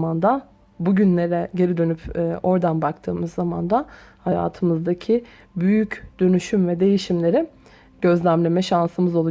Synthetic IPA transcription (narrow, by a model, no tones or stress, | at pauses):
and̪a | buɟynlʲe̞ɾɛɟe̞ɾid̪ø̞nypʰːo̞ɾd̪anbak̚t̪ʰɯːmɯzːama̰nd̪ahaja̰ːt̪ʰɯmɯzd̪acʰi | byjycd̪̥ø̞nyʃymvɛd̪e̞jiʃimlʲe̞ɾi | ɟ̥ø̞zlʲæmlʲemɛʃansɯmɯzolˠu